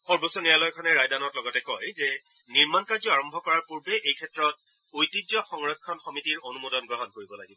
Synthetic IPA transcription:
xɔɹbosɔnialɔjkʰɔnɛɹajdanɔtlɔɡɔtɛkɔjzɛ | niɹmankaɹzɔaɹɔmbʱɔkɔɹaɹpuɹbɛʔejkʰɛtɹɔt̚ | ojtizɔxɔŋɹɔkʰːɔnxɔmitiɹonumodɔnɡɹɔɦɔnkoɹibɔlaɡibɔ

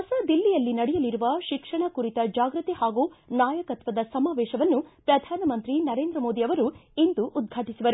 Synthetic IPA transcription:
ɦɐsɐd̪ilːijɐlːinɐɽɛjɐliɾuʋɐʃikʂɐɳɐkuɾit̪ɐd͡ʒaːɡɾɨt̪ihaːɡuːnaːjɐkɐt̪ʋɐd̪ɐsɐmaːʋɛːʃɐʋɐnːupɾɐd̪ʱaːnɐmɐnt̪ɾinɐɾeːnd̪ɾɐmo̞ːd̪iɐʋɐɾuind̪uʔːd̪̚ɡʱaːʈisuʋɐɾu

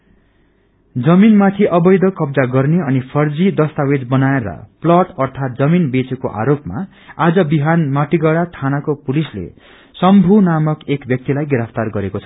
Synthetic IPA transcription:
d͡zʌminmat̪ʰiʔʌbʌjd̪ʌkʌbd͡zaɡʌrneʌnipʰʌrd͡zid̪ʌst̪awed͡zbʌnaeɾʌ̰plʌʈʌrt̪ʰat̪̚d͡zʌminbet͡sekoʔa̰ɾopma̰ | ad͡zʌbiɦanmaʈiɡʌɽat̪ʰanakopulislḛ | sʌmbʱunamʌkekbʱjʌk̚t̪ilajɡɾʌpʰt̪arɡʌɾekot͡sʰʌ

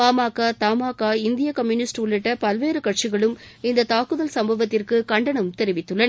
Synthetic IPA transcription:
aːmaːkaːt̪aːmaːkaːɪnd̪ɪjɐkɐmjʊnɪsʈʊɭːɪʈːɐpɐlʋeːɾɯkɐʈ̚t͡ʃɪɣɐɭɯmɪnd̪ɐt̪aːkɯðɐlsɐmbɐʋɐt̪ːɪrkɯkɐɳɖɐɳɐmt̪ɛɾɪʋɪt̪ːɯɭːɐ

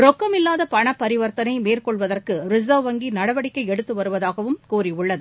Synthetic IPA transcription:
ɾɔkːɐmɪlːaːðɐpɐɳɐpːɐɾɪʋɐɾt̪ɐnɐɪmeːrkɔɭʋɐðɐrkɯɾɪzɐʋʋɐŋɡinɐɽɐʋɐɽɪkːɐɪɛɽɯt̪ːɯʋɐɾɯʋɐðaːɣɐʋɯmkuːriʊɭːɐðɯ

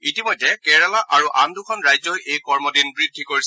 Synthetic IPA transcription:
itimojdɛkɛɹalaʔaɹuʔandukʰɔnɹajzɔjʔejkɔɹmɔdinbɹidʱːikoɹis

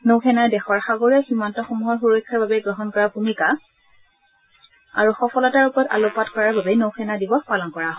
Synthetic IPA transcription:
nowxʰɛnaɹdɛxɔɹxaɡoɹiaximantɔxumuɦɔɹxuɹɔkʰːaɹbabɛɡɹɔɦɔnkɔɹabʱumika | a̰ɹuxɔpʰɔlɔtaɹupɔɹɔta̰lopatkɔɹaɹbabɛnowxʰɛnadibɔxpalɔnkɔɹaɦɔ

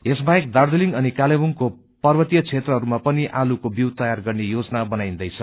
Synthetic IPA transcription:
esbajek̚d̪ard̪eliŋɡʌnikalebuŋko | pʌrbʌt̪ijʌt͡sʰet̪rʌɦʌɾumapʌniʔalukobjiwt̪ʌjarɡʌrnejod͡zʌnabʌnajĩnd̪ʌjt͡sʰʌ

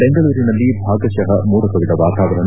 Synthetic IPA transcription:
beŋɡɐɭuːɾinɐlːibʱaːɡɐʃɐɦɐmuːɾɐkɐʋid̪ɐʋaːt̪aːʋɐɾɐɳ

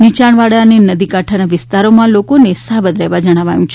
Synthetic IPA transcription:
nit͡ʃaɳʋaɽaənenəd̪ikaʈʰanaʋɪst̪aɾomãlokonesabəd̪ɾəɦʋad͡ʒəɽ̃aʋa̰jũt͡ʃʰe

